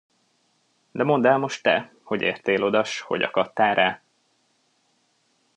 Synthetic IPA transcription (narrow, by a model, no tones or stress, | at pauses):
d̪ɛmo̞nd̪aːlmo̞ʃt̪ːɛ | ho̞ɟḛːrt̪eːlo̞d̪ɒʃho̞̰ɟɒ̰kɒt̪ːaːɾaː